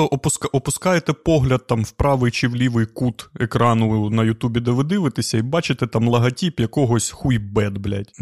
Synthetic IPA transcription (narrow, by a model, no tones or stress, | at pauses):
ɔʔɔpʊskʔɔpʊskɑjet̪ɛpɔɦlʲɐd̪̚t̪ɑmwpɾɑʋɪjt͡ʃiʋlʲiʋɪjkut̪ekɾɑnʊnɐjʊt̪ubʲid̪ɐʋɪd̪ɪʋɪt̪ɪsʲɐibɑt͡ʃɪt̪ɛt̪ɑmlˠɐɦɐtʲipjɐkɔɦɔsʲxujbɛd̪blʲɐ̰tʲ